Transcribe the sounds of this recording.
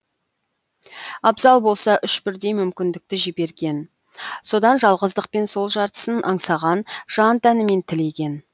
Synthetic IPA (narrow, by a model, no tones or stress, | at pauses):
ɑbzɑlˠbo̞lˠsɑʔʏʃbɪɾd̪e̞jmʏmkʲɪnd̪ɪk̚t̪ɪʒibe̞ɾɡʲe̞n | so̞d̪ɑnʒɑlˠʁəzd̪əq̚pe̞nso̞lˠʒɑɾt̪ə̥sənʔɑɴsɑʁɑnʒ̥ɑnt̪ʰænɪme̞nt̪ʰɪle̞kʲe̞n